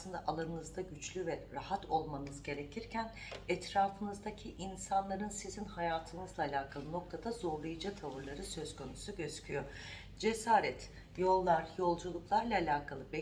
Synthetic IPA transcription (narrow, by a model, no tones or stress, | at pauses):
lˠɯnd̪aʔalˠanɯnɯzd̪aɟyt͡ʃlʲyvɛɾahat̪ʰo̞lˠmanɯzɟe̞ɾecʰiɾcʰæn | ɛt̪ɾaːfɯnɯzd̪acʰiʔinsanlˠaɾɯnsizinhajaːt̪ʰɯnɯzlˠaːlʲaːkʰalˠɯno̞k̚t̪ʰad̪azo̞ɾlˠajɯd͡ʒat̪ʰavɯɾlˠaɾɯsø̞zkʰo̞nusuɟø̞z̥cʰyjo̞ | d͡ʒe̞saːɾɛt̪ | jo̞lˠːaɾjo̞lˠd͡ʒulˠuklˠaɾlˠaːlʲaːkʰalˠɯbɛ